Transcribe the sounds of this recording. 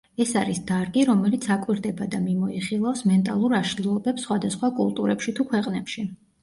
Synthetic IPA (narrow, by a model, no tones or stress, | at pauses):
ɛsaɾisd̪̥aɾɡiɾɔmɛlit̪sʰakʼwiɾd̪ɛbad̪amimɔiχilˠafsmɛnt̪ʼalˠuɾaʃlilˠɔbɛpsːχwad̪asχwakʼṵlˠt̪ʼṵɾɛpʃit̪ʰukʰwɛqʼnɛpʃi